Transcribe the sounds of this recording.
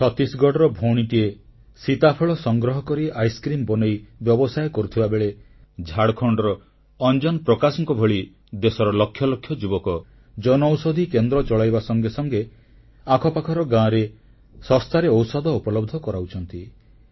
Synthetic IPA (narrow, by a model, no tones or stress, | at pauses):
t͡ʃʰɔt̪isɡɔɽɔɾɔbʱoɽ̃iʈie | sit̪apʰɔɭɔsɔŋɡɾɔɦɔkɔɾiajskɾimbɔnejbjɔbɔsajkɔɾut̪ʰibabeɭe | d͡ʒʱaɽkʰɔɳɖɔɾɔː | nd͡ʒɔnɔpɾɔkasɔŋkɔbʱɔɭi | d̪esɔɾɔlɔkʰːjɔlɔkʰːjɔd͡ʒubɔkɔ | d͡ʒɔnɔwsod̪ʱikend̪ɾɔt͡ʃɔɭajbasɔŋɡesɔŋɡe | akʰɔpakʰɔɾɔɡãɾe | sɔst̪aɾeɔwsɔd̪ʱɔupɔlɔbd̪ʱɔkɔɾaut͡ʃʰɔnt̪i